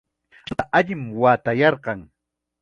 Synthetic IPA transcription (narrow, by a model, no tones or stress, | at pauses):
aʔaʎɪmwaːt̪ajɑɾqɑŋ